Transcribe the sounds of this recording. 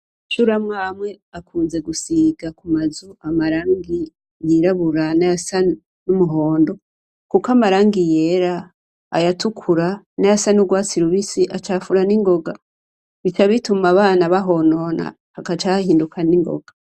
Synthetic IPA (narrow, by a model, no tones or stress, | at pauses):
ʃuɾamŋamŋe̞akʰuːnze̞ɡusiɡakumazuʔamaɾaːŋɡi | jiɾaβuɾanajasa | numuɦo̞ːndo̞ | kukamaɾaːŋɡijeɾa̰ː | jatukʰuɾa | najasanuɡwaːt͡siɾuβisiʔat͡ʃaːfuɾaniŋɡo̞ɡa | βitaβitumaβaːnaβaɦo̞no̞na̰ | hakat͡ʃahahiːndukʰaniŋɡo̞̰ɡ̥a